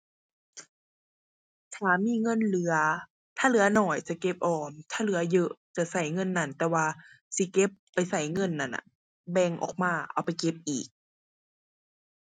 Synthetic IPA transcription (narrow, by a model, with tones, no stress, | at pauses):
tʰaː˨˩˦miː˧˥˨ŋɤ˧˥˨nlɯ˨˦ɐ | t̪ʰaː˧˩˨lɯ˨˦ɐ˦nɔː˧˩jt͡ɕa˧˩ke˧˦p̚ʔɔː˨˩mt̪ʰaː˧˩˨lɯ˨˩˦ɐ˦jɤ˧˥ʔt͡ɕa˧˩sa˧˩jŋɤ˧˥˨nːa˧˥˨nt̪ɛː˧˦waː˧ | si˧˦ke˧˦pːa˨jsa˨˩˦jŋɤ˧˥˨nːa˧˩˨nʔa̰˧˩˨ | bɛː˧˩ŋʔɔ̰ː˨˩k̚maː˧˩ʔa̰˧˩wpa˨jke˧p̚ʔiː˨˩k̚